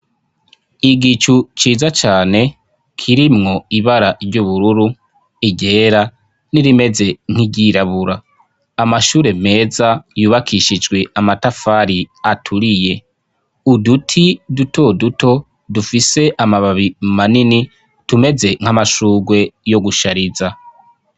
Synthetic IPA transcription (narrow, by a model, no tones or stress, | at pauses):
iɡit͡ʃut͡ʃiːzat͡ʃaːne̞ | kʰiɾimŋo̞iβaɾaɾɟuβuɾuɾu | iɟe̞ːɾa | niɾime̞ze̞ŋ̥iɟiɾaβuɾaː | maʃuːɾe̞me̞ːzajuːβakʰiʃid͡ʒɡwe̞amatafaɾiatʰuɾije̞ | udutʰiduto̞dutʰo̞ | dufise̞ʔamaβaβimanini | tume̞ze̞ŋ̥amaʃuːɡwe̞jo̞ɡuʃaɾiza